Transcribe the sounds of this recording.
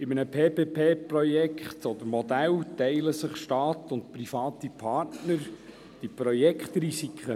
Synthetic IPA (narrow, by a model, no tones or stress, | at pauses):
ɪmənəpʰeːpeːpʰeːprɔjɛkχt̪ɔd̥̪əɾmɔd̪æltɛɪləsɪχʃtɑːtʊntprifɑːt̪ipʰɑtnəɾ | d̥ipɾɔjɛkχt̪risikχə